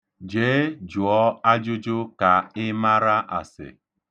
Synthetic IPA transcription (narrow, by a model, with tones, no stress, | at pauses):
d͡ʒeː˨˦d͡ʒu˨ɔ˦a˦d͡ʒʊ˦d͡ʒʊ˦ka˨ɪ˦ma˦ɾa˦ʔa̰˨sɪ̰˨